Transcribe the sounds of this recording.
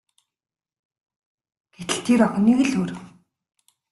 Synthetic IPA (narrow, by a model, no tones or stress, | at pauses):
ɡ̥et̪ɘ̆ɬt̪ʰiːɾɔxuniːɣɘ̆ɮoːɾɘ̆w